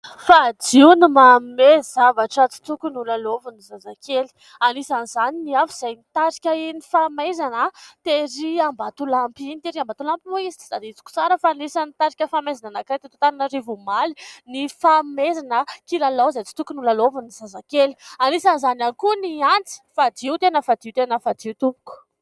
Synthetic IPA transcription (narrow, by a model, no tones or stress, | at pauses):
fad͡ziunimammezavaʈ͡ʂət͡si̥t̪ukunulalovunizazakʰeli̥ | anisanizaniniafuiz̥ajnit̪aɾi̥kʲəinifamezanət̪eɾiambat̪ulampinit̪eɾiambat̪ulampimoizi̥t͡si̥sad̪iit͡si̥ku̥t͡saɾəfanisanit̪aɾikʲəfamezananakɾet̪it̪ot̪ananəɾivumalinifamezanəkilalowzajt͡si̥t̪ukunulalovunizazakeli̥anisanizananikuniant͡si̥fad̪iut̪enəfad̪iwt̪enəfad̪iut̪upu̥ku̥